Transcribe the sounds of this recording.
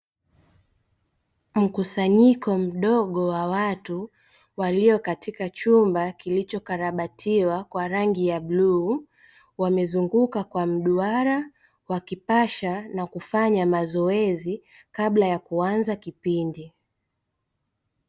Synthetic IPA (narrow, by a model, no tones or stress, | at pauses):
m̩kusaɲikɔm̩ɗɔɠɔwawatu | waliɔkatikat͡ʃumbakilit͡ʃɔkaɾaɓatʰiwakwaɾaŋɡijaɓlu | wamɛzuŋɡukakwam̩ɗuaɾa | wakipaʃanakufaɲamazɔɛzi | kaɓlajakuanzakipindi